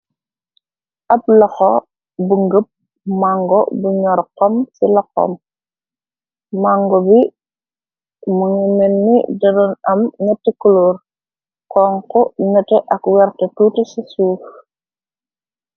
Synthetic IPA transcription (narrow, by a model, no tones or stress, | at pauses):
ʔɐp̚lɐxɔ | buŋɡəp̚ | maŋɡɔbuɲɔɾqːɔmsilɔqːɔ̰m | maŋɡɔbi | muŋimenːḭdɐdɔnɐmŋətːikulur | kɔːŋkɔŋətɛʔɐkwɛɾtɐtuːtɛsisuːf